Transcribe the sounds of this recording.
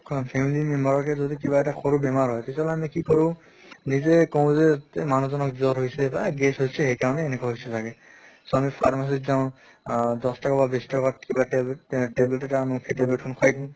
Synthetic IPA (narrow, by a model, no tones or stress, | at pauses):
kʰpʰɛmilimɛmbɔɹɔkɛzodikibaɛtaxoɹubɛmaɹɦɔjtetaɔlɔamikikɔɹʊ̃ | nizɛkɔʊ̃zɛtmanuzɔnɔkzɔɹɦojsɛbaɡɛsɦojsɛhejkaɹɔnɛːnɛkɔaɦojsɛtʰakɛ | soamipʰaɹmas̬itzaʊ̃ | dɔstakababesi̥tɔkat̚kibaʈeblʈɛtanũxʰeʈeblʈ̚kʰunkʰajdĩ